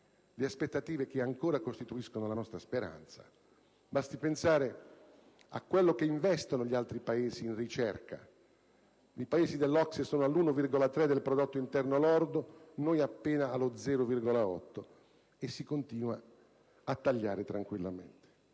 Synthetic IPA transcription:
leaspet̪ːat̪iːvek̟eaŋkoːɾakost̪it̪uiskonolanɔst̪ɾaspeɾa̰nt̪sa̰ | bast̪ipensaːɾe | a̰kːwelːok̟eiɱvɛst̪onoʎialt̪ɾipaeːziːnrit͡ʃɛrka̰ | ipaeːzid̪elːɔksesɔːnoalːunovirɡolat̪ɾɛd̪elpɾod̪ot̪ːoint̪ɛrnoalɔrd̪onojapːeːnaːlod̪zɛːɾovirɡolaɔ̰t̪ːo | esːikont̪iːnwa | at̪ːaʎːaːɾet̪ɾaŋkwilːamḛnt̪e̥

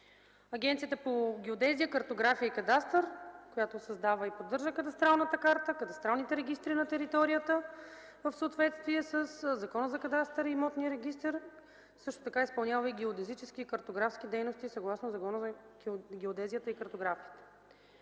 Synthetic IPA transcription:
ɐɡʲɛnt̪sijət̪əpoɡʲɛod̪ɛziəkəɾt̪oɡɾafijəikɐd̪ast̪əɾkojat̪osɐzd̪avəipod̪ːɤɾʒəkɐd̪ɐst̪ɾalˠnət̪əkaɾt̪əkɐd̪ɐst̪ɾalˠnit̪ɛɾɛɡʲist̪ɾinɐt̪ɛɾit̪ɔɾijət̪ə | vəfsəːt̪vɛt̪st̪viɛsəszɐkɔnəzɐkɐd̪ast̪ɛɾimɔt̪niəɾɛɡist̪ɛɾ | sɤʃt̪o̥t̪ɐkaispɐlˠnʲavəiɡʲɛod̪ɛzit͡ʃɛsk̟iːkəɾt̪oɡɾafsk̟id̪ɛjnost̪isɐɡlˠasnozɐkɔnəzɡʲɛod̪ɛzijət̪əikəɾt̪oɡɾafiət̪ə̥

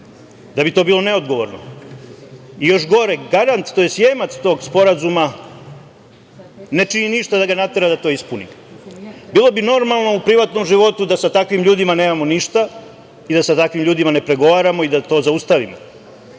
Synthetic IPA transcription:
d̪abit̪o̞ːbiːlˠo̞ne̞o̞d̪ɡo̞ʋo̞ɾno̰ | ijo̞ʃɡo̞ɾeɡaɾant̪t̪ojesjeːmat̪st̪o̞ːɡspo̞ɾazuma | ne̞t͡ʃininiʃt̪ad̪aɡanat̪e̞ɾad̪at̪o̞ːispunḭ | biːlˠo̞bino̞ɾmalˠno̞upɾiʋat̪nomʒiʋo̞t̪ud̪asat̪akʋimʎuːd̪imaneːmamo̞niʃt̪a | id̪asat̪akʋimʎuːd̪imane̞pɾe̞ɡo̞ʋaːɾamo̞id̪at̪o̞ːzaust̪aʋimo̰

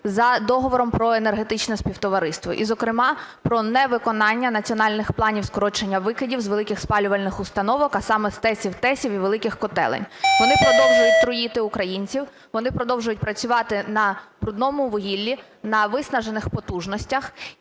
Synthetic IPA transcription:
zɐd̪ɔɦɔʋɔɾɔmpɾɔenerɦe̞t̪ɪt͡ʃnɛspʲiwt̪ɔʋɐɾɪst̪ʋɔ̰ʔizɔkɾɪmɑpɾɔnɛʋɪkɔnɑnʲːɐnɐt͡sʲiɔnɑlʲnɪxplˠɑnʲiwskɔɾɔt͡ʃenʲːɐʋɪkɪdʲiwzʋe̞lˠɪkɪxspɑlʲʊʋɐlʲnɪxʊst̪ɐnɔʋɔkɐsɑmɛst̪ɛsʲiwt̪ɛsʲiwiʋelˠɪkɪxkɔt̪ɛ̰lˠɛ̰nʲʋɔnɪpɾɔd̪ɔwʒʊjʊt̪ʲt̪ɾɔjit̪ɪʊkɾɐjinʲt͡sʲiw | ʋɔnɪpɾɔd̪ɔwʒʊjʊt̚ʲpɾɐt͡sʲʊʋɑt̪ɪnɐbɾʊd̪nɔmʊʋɔɦʲilʲːi | nɐʋɪsnɐʒenɪxpɔt̪uʒnɔsʲtʲɐx

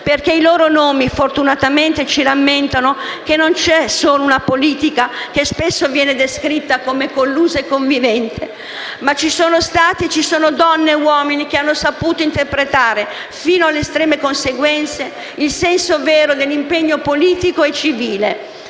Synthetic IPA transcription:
perk̟eiloːɾonoːmifort̪unat̪ament̪et͡ʃiɾamːent̪anok̟enːont͡ʃɛsoːlounapoliːt̪ikak̟espesːovjɛːned̪eskɾit̪ːakomekolːuːzaekːoɱvivɛnt̪ʰe | mat͡ʃisoːnost̪aːt̪it͡ʃisoːnod̪ɔnːewɔːminik̟eanːosapuːt̪oint̪erpɾet̪aːɾe | fiːnoalːest̪ɾɛːmekonseɡwɛnt̪se | ilsɛnsoveːɾod̪elːimpeɲːopoliːt̪ikoet͡ʃiviːle

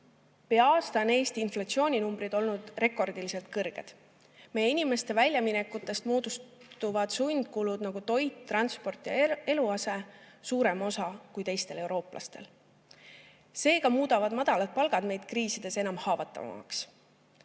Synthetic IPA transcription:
pe̞ɑɑːst̪ɑne̞ːst̪iːnflɑt̪sio̞ːnʲinumbɾid̪̥o̞lnud̪̥re̞ko̞rd̪ilise̞lt̪̚kɤrɡ̥e̞̰d̪̥ | me̞jeinime̞st̪e̞vælʲjɑminekːut̪ːˑe̞st̪moːd̪̥us | t̪uvɑd̪̥sujnd̪̚kulud̪nɑɡ̥ut̪o̞jt̪ːrɑnspo̞rt̪ˑjɑe̞luɑse̞suːɾe̞mo̞sɑkujt̪e̞jst̪e̞le̞wɾo̞ːplʔɑ̰st̪e̞̰l | se̞ːɡ̥ɑmuːd̪̥ɑvɑd̪̥mɑd̪̥ɑlɑt̪̚pɑlɡ̥ɑd̪me̞jd̪̥̚kriːsid̪̥e̞se̞nɑmhɑːvɑt̪ˑːɑ̰ɑ̰ks

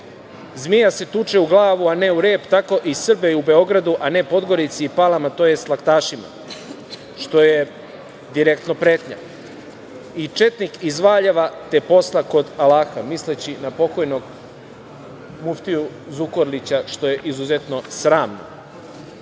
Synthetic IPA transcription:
zmijaset̪ut͡ʃeuɡlˠaːʋuaneuɾeːpt̪ako̞ʔisr̩beube̞o̞ɡɾad̪uʔane̞po̞d̪ɡo̞ɾit̪siipalamat̪o̞jest̪lˠakt̪aːʃima̰ | ʃt̪o̞je̞ | d̪iɾekt̪nopɾe̞ːt̪ɲa̰ | it͡ʃe̞t̪nikizʋaːʎaʋat̪e̞po̞slˠako̞d̪alaːxamislet͡ɕinapo̞ko̞jno̞ɡ | muft̪iu | zukoɾlit͡ɕaʃt̪o̞je̞ʔizuzet̪no̞sɾaːmno̰

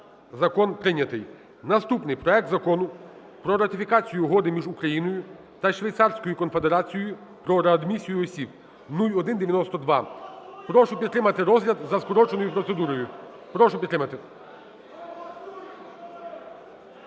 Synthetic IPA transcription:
zɐkɔnpɾɪnʲːɐt̪ɪj | nɐst̪upnɪjpɾɔɛk̚t̪zɐkɔnʊ | pɾɔɾɐt̪ɪfʲikɑt͡sʲijʊɦɔd̪ɪmʲiʒukɾɐjinɔjʊ | t̪ɐʃʋʲɐjt̪sɑrsʲkɔjʊkɔnfe̞d̪eɾɑt͡sʲijʊ | pɾɔɾɐɐd̪mʲisʲijʊɔsʲib̚ | nulʲɔd̪ɪnd̪eʋjɐnɔst̪ɔd̪ʋɑpɾɔʃʊpʲid̪t̪ːɾɪmɐt̪ɪɾɔzɦlʲɐd̪zɐskɔɾɔt͡ʃenɔjʊpɾɔt̪se̞d̪uɾɔjʊ | pɾɔʃʊpʲit̪ːɾɪmɐt̪ɪ

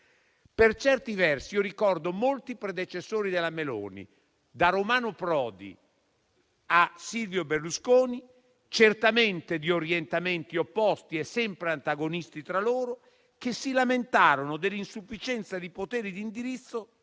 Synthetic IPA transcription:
pert͡ʃɛrt̪ivɛrsioɾikɔrd̪omolt̪ipɾed̪et͡ʃesːoːɾid̪elːamelo̰ːnḭ | d̪aɾomaːnopɾɔːd̪ḭ | asilvjoberluskoːni | t͡ʃert̪ament̪ed̪ioɾjent̪ament̪iopːɔst̪iesːɛmpɾeant̪aɡonist̪it̪ɾaloːɾo | k̟esːilament̪aːɾonod̪elːinsufːit͡ʃɛnt̪sad̪ipot̪ɛːɾid̪ind̪iɾit̪sːo

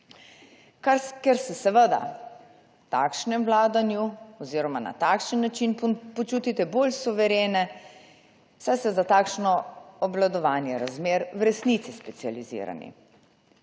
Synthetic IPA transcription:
kaɾkɛɾsɛsɛʋəd̪a̰ | t̪a̰ːkʃnɛmʋlaːd̪anjuɔziːɾɔmana̰t̪akʃənːat͡ʃinpɔt͡ʃut̪it̪ɛboːlsuʋɛɾeːnɛ | sajsɛzat̪aːkʃnɔɔblad̪ɔʋaːnjɛɾazmeːɾwɾɛsnit̪sispɛt̪sializḭːɾa̰nḭ

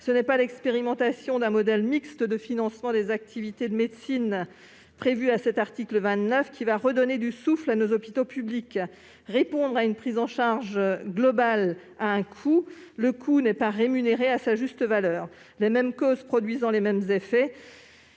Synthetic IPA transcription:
sənɛpalɛkspeʁimɑ̃t̪asjɔ̃d̪ɛ̃mɔd̪ɛlmikst̪əd̪əfinɑ̃smɑ̃d̪ezak̚t̪ʰivit̪ed̪əmed̪sin | pχevyasɛt̪aʁt̪ikləvɛ̃t̪nœfkʲivaʁəd̪ɔned̪ysuflanozɔpi̥t̪opyblik | ʁepɔ̃d̪ʁaynpχizɑ̃ʃaʁʒɡlɔbal | aɛ̃kʰuləkʰunɛpaʁemyneʁeasaʒyst̪əvalœːʁ | lemɛmkozpχɔd̪ɥizɑ̃lemɛmzefɛ

